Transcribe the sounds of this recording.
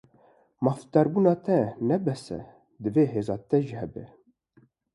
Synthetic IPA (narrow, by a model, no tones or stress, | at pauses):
mɑft̪ɑɾbuːnɑːt̪ʰɛnɛbɛsɛ̰ | d̪ɨveːɦeːzɑːt̪ɛʒihɛbɛ̰